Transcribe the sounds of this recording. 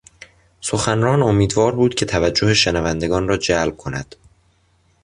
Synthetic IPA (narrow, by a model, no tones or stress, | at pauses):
soxænrɒːno̞miːd̪vɒːɾbuːd̪̥cʰe̞t̪ʰævæd͡ʒːo̞heʃenævænd̪e̞ɡɒːnrɒːd͡ʒælb̥̚kʰo̞næ̰d̪̥